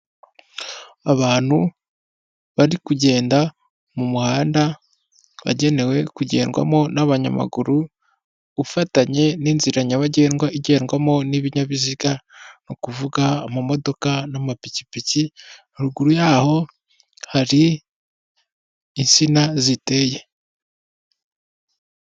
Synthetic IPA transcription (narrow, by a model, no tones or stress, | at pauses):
aβaːn̥hu | βaɾikuɟe̞ːnda | mumuhaːnda | βa̰ɟe̞ne̞we̞kuɟe̞̰ːnɡwa̰mo̞naβaɲa̰ma̰ɡuɾu | ufataɲe̞niːnziɾaɲaβaɟe̞ːnɡwaiɟe̞ːnɡwamo̞niβiɲaβiziɡanokuvuɡamumo̞do̞kanamapici̥pici | ɾuɡuɾujaːho̞ | haɾi | nsinazite̞je